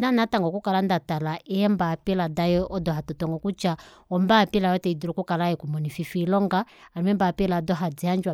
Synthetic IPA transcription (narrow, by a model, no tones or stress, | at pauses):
nanataŋɡɔkukalandatalaʔɛɛmbapiladajɔʔɔdɔɦatɔtɔŋɡɔkut͡ʃa | ɔmbapilajɔtɛidiɾɔkukalajɛkumɔnififilɔŋɡaalimɛmbapiladɔɦad͡ziand͡ʒwa